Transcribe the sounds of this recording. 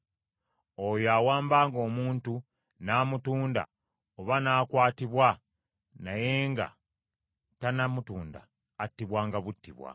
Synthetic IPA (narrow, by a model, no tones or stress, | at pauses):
ojoawaːmbaːŋɡo̞ːmuːntu | naːmutuːnda̰ | oβanaːkwaːtiβwa | najeːŋɡa̰ | tanamutuːnda̰ː | tːiβwaːŋɡaβutːiβwa̰